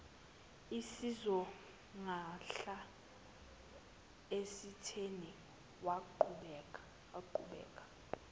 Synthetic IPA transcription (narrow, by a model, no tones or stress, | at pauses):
isizɔ | ŋaɬa | esitʰeni | waǃuɓɛkʼḁ | waǃṵɓɛ̰ːkʼḁ